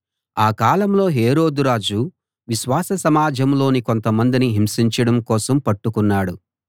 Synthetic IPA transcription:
aːkaːlɐmlo̞ːɦeːɾo̞ːd̪uɾaːd͡ʒu | ʋiʃʋaːsɐsɐmaːd͡ʒɐmlo̞ːniko̞nt̪ɐmɐnd̪iniɦimsiɲt͡ʃɐɽɐmkɔːsɐmpɐʈːukunːaːɽu

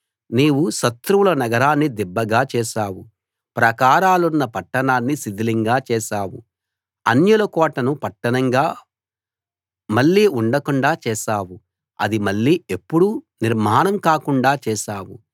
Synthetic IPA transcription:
niːwuʃɐt̪ɾuwulɐnɐɡɐɾaːnːid̪ibːɐɡaːt͡ʃɛːʃaːwu | pɾɐkaːɾaːlunːɐpɐʈːɐnaːnːisid̪iliŋɡaːt͡ʃɛːʃaːwṵ | ɐ̰njulɐkɔːʈɐnupɐʈːɐnɐŋɡaː | mɐɭːiːuɳɖɐkuɳɖaːt͡ʃɛːʃaːwu | ɐ̰d̪imɐɭːiːe̞pːuɽu | niɾmaːnɐmkaːkuɳɖaːt͡ʃɛːʃaːwṵ

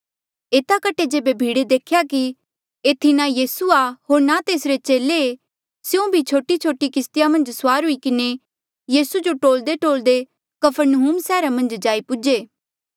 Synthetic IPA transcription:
eːt̪akəʈːed͡ʒeːbebʱiːɽed̪eːkʰjaki | eːt̪ʰinajiːsuaɦoːɾnat̪eːsɾet͡ʃeːlee | sjõbʱit͡ʃʰoːʈit͡ʃʰoːʈikɪst̪ɪjamɐ̃nd͡ʒsʊwaːɾɦʊikɪne | jiːsud͡ʒoʈoːld̪eʈoːld̪e | kɐpʰəɾnəɦuːmsɛːɾamɐ̃nd͡ʒd͡ʒaːipʊd͡ʒeː

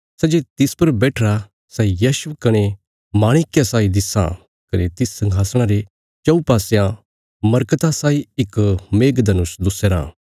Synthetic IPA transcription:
sɛd͡ʒet̪ɪspɐɾbɛːʈʰɾa | sɛjaːʃʊkɐɽ̃e | maːɽ̃ɪkjasaːid̪ɪsã̰ | kɐnet̪ɪsːɐ̃ŋɡʱaːsɽ̃ãɾe | t͡ʃɐupaːsejã | mɐɾkət̪asaːiɪkmeːɡd̪ɐnʊsd̪ʊsɛɾã̰ː

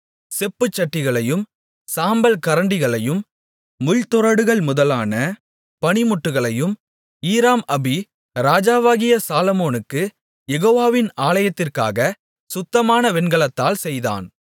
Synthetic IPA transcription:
sɛpːɯt͡ʃːɐʈːɪɣɐɭɐjɯm | saːmbɐlkɐɾɐɳɖɪɣɐɭɐjɯm | mʊɻt̪ɔɾɐɽɯɣɐɭmʊðɐlaːnɐ | pɐnɪmʊʈːɯɣɐɭɐjɯm | iːɾaːmɐbi | ɾaːd͡ʒaːʋaːɣɪjɐsaːlɐmoːnɯkːɯ | jɛɣoːʋaːʋɪnaːlɐjɐt̪ːɪrka̰ːɣɐ | sʊt̪ːɐmaːnɐʋɛnɡɐɭɐt̪ːaːlsɛjða̰ːn

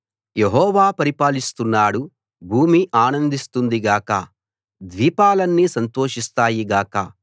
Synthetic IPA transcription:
jeɦɔːʋaːpɐɾipaːlist̪unːaːɽu | bʱuːmiʔaːnɐnd̪ist̪und̪iɡaːkɐ̰ | d̪ʋiːpaːlɐnːisɐnt̪o̞ːʂist̪aːjiɡaːkɐ̰

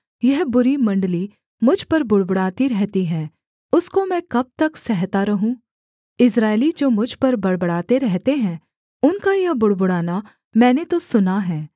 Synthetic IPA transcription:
jɛɦbʊɾimɐ̃ɳɖli | mʊd͡ʒʱpɐɾbʊɽbʊɽaːt̪iɾɛɦt̪iɦɛ̃ː | ʊskomɛ̃ːkɐb̚t̪ɐksɛɦt̪aɾɐɦũ | ɪs̬ɾaːɪlid͡ʒoːmʊd͡ʒʱpɐɾbɐɽbɐɽaːt̪eɾɛɦt̪eɦɛ̃ | ʊnkajɐɦbʊɽbʊɽaːna | mɛ̃ːnet̪osʊnaɦɛː

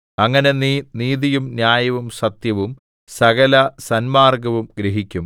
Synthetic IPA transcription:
ɐŋːɐne̞niniːðijumnjaːjɐʋumsɐt̪jɐʋum | sɐɣɐlɐsɐnmaːrɡɐʋumɡɾeɦikʲːum

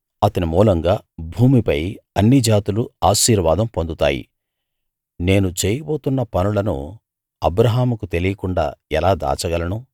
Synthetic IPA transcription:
ɐt̪ɐnimuːlɐŋɡaːbʱuːmipɐjɐnːid͡ʒaːt̪uluaːʃiːɾʋaːd̪ɐmpond̪ut̪a̰ːjḭ | ne̞ːnut͡ʃeːjɐboːt̪unːɐpɐnulɐnṵ | ɐbɾɐɦaːmukut̪e̞lijɐkuɳɖa̰ːɛlaːd̪a̰ːt͡ʃɐɡɐlɐnu

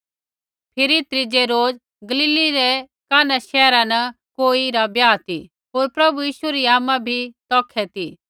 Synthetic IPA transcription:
pʰɪɾit̪ɾɪd͡ʒeɾoːd͡z | ɡɐliːliɾɛ | kaːnaʃɛːɾãnɐ | koːiɾabjaːt̪ḭ | ɦoːɾpɾɐbujiːʃueɾiaːmãbʱit̪ɔːkʰːɛt̪i

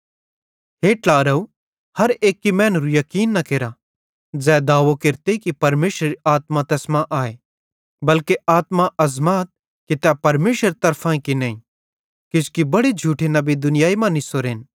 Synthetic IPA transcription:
ɦeːʈlaːɾɐu | hɐɾeːkːimɛ̃ːnɾujɐkiːnːɐkeːɾa | d͡zɛːd̪aːʋokeɾt̪ekipɐɾmeːʃɾɾiaːt̪mat̪ɛːsmãʔaːe | bɐlkeʔaːt̪maɐzmaːt̪̚ | kit̪ɛpɐɾmeːʃəɾt̪ɐɾpʰãĩkinɐ̃ːĩ | kɪskibɐɽed͡ʒʱuːʈʰenɐbid̪ʊnɪjaːimãnisoɾeːn

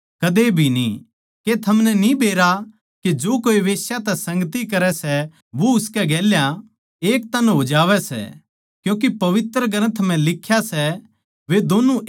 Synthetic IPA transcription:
kɐd̪ebʱinḭ | ket̪ʰɐmnɛnibeːɾa | ked͡ʒoːkoːiʋeːsjat̪ɛsɐ̃ŋɡt̪ikɐɾɛsɛ | ʋoʊskɛɡɛːljã | eːk̚t̪ɐnɦod͡ʒaːʋɛsɛ̰ | kjũːk̬epɐʋɪt̪ɾəɡɐɾə̃t̪ʰmɛ̃lɪkʰːjasɛ | ʋed̪oːnu

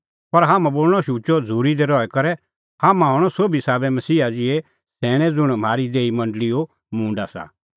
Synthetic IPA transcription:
pɐɾɦaːmãboːlɽ̃ɔʃuːt͡ʃɔd͡zʱuːɾid̪ɛɾɔɛkɐɾɛ | haːmãɦɔːɽ̃ɔsoːbisaːbɛmɐsiːad͡zɪɛ | sɛːɽ̃ɛ̃d͡zʊɽ̃m̤aːɾid̪eːimɐ̃ɳɖlio | mũːɳɖasa̰

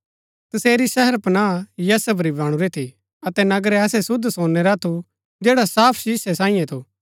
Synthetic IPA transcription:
t̪ɐseːɾiʃɛɦəɾpɐnaːjɐːsəbɾibaːɽ̃ũɾɛt̪ʰi | ɐt̪ɛnɐɡɾɛɐsɛsʊd̪ʱsoːnːeɾat̪ʰu | d͡ʒɛːɽasaːpʰʃɪsesãːĩjɛ̃t̪ʰoː

